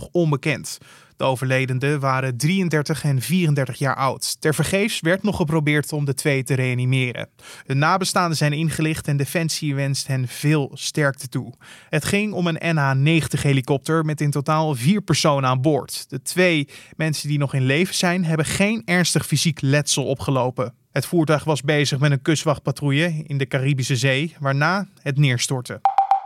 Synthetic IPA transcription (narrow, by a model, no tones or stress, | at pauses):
χɔmbəkɛnt | d̥əowvəɹlejdəndəʋaːɾədrijəndɛɹtəχɛnviːrəndɛɹtəχja̰ːɹʔʌ̰wttɛɹvəɹχejfsʋɛɹtnɔχːəp̬rowbɪːɹtɔmdətʋejtəɾejanimɪːɾə̰ | ɦɵnːaːbəstaːndəzɛjnɪnχəlɪχtɛndefɛnsiʋɛnstɦɛnvɪːlˠstɛɹk̚tətuɦətχɪŋɔmənɛnaːnejχəntəχɦejlikɔp̚təɹmɛtɪntotaːlˠviːɹpəɹsownəaːnbʊːɹtd̥ətʋejmɛnsəndinɔχɪnlejvəz̥ɛjnɦɛbəχejnɛɹnstəχfiziklɛtsəlˠɔpχəlowpə | ɦətfuːɹtœɥχʋɑzbejzəχmɛtənkøstʋɑχpatrujəɪndəkaribisəzejʋaːɹnaːɦətnɪːɹstɔɹtə